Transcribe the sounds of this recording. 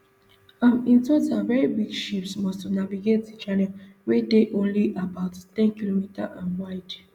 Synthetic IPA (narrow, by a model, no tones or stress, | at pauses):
ãmĩntozavɛɹibiɡʃipsmɔstɔnaviɡetit͡ʃanɛlwedeʔõnliʔabaʊttɛ̃nkilomita̰ʔãnwaɪd